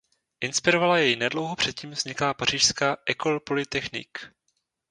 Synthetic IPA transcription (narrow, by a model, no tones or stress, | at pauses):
ʔɪnspɪɾovalajɛjnɛdlowɦopr̥ɛt̪ciːmvz̥ɲɪklaːpar̝̥iːʃskaːʔɛkolpo̞lɪt̪ɛxnɪ̰k